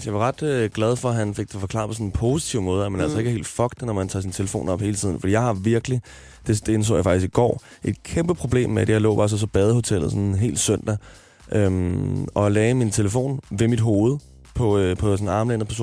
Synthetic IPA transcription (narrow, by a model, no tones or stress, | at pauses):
sjɑ̈ɪʋɑ̈ʁɑ̈d̥øɡ̥lɛð̞ˠfɒ̽ɦænfe̝ɡ̥̚t͡sʰefɒ̽kʰlɑ̰̈ːpʰɒ̽ɔ̽nenpʰo̝si̥t͡sʰiʊmɔ̽ːð̞̩ˠæmenælsɒ̽e̝ɡ̥əɦe̝̰ːld̥fɒ̽ɡ̥̚d̥nɒmænt͡sʰɑ̰̈sint͡sʰe̝ləfo̝̰ːnɒ̽b̥he̝ːlət͡sʰḭð̰ˠn̩fd̥ḭːjɑɪɑ̈ʋiɐɡ̥əli | d̥e̝sd̥eens̬o̰ːjɑ̈fɑ̥d̥isɡ̥iɡ̥ɒ̰ː | ʔe̝d̥kʰemb̥əpʰʁo̝b̥le̝̰ːmːeæd̥ejɑɪlɔ̰ːb̥ɑ̈s̬ɒ̽sɒ̽b̥ɛːð̞ˠho̝t͡sʰel̰ð̩ˠsɔ̽neɦe̝̰ːld̥sœn̰d̥ɐ | ʔømɒ̽lɛːɪmint͡sʰe̝ləfo̝̰ːnʋe̝mid̥ɦo̝ːð̞̩ˠ | pʰɒ̽pʰɒ̽sɔn̩ɑ̈ːmlenð̩ˠpæɐs̬o̰ːn